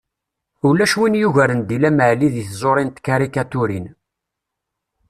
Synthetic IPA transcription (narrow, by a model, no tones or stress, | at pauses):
ulːæʃwinjuʝæɾənd̪ilæməʕliðiθzˤoɾˤint̪kaɾikat̪ʊɾin